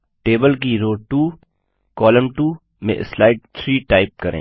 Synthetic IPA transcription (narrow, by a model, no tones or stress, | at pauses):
ʈeːbəlkiɾoːʈuː | kɔːləmʈuː | mḛ̃slaːɪɖ̚t̪ʰɾiːʈaːɪp̚kɐɾʔḛ̃ː